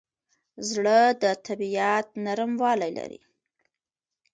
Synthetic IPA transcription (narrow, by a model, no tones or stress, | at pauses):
zɽəd̪ət̪ʰabiat̪̚naɾmwɑlajla̰ɾḭ